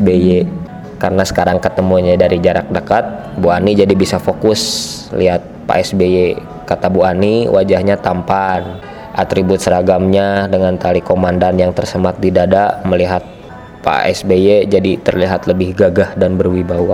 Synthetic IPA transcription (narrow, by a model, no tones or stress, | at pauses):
beje | kaɾənasə̥kaɾaŋkət̪əmuɲadaɾid͡ʒaɾak̚dəkat̪̚ | buanid͡ʒadibisafokʊslḭɦat̪̚pa̰ʔɛsbeje | kat̪abuaniwʔad͡ʒahɲat̪ampan | ʔat̪ɾibʊt̪̚səɾaɡamɲadəŋant̪alikomandanjaŋt̪ərsəmat̪̚didadaməliɦat̪̚ | pa̰ɛ̰sbejed͡ʒadit̪ərliɦat̪ləbɪhɡaɡahdanbərwibawa